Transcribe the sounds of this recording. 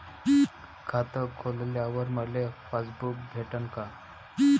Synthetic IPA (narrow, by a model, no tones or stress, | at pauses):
kʰat̪əkʰːolljaʋəɾməɽlefasbukbʱeʈənka